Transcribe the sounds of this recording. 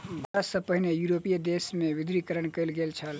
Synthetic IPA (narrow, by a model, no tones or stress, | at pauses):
bʱsə̃pəɦinejuɾopijd̪esmeʋid̪ɾikəɾənkəjlɡelt͡ʃʰəl